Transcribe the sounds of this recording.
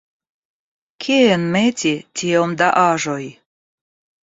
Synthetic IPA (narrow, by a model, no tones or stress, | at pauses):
kʲʰeenmetʲit̪ʲijomd̪aʔɑʒoj